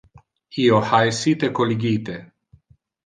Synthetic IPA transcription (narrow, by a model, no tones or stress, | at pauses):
iohajsit̪ekoliɡit̪e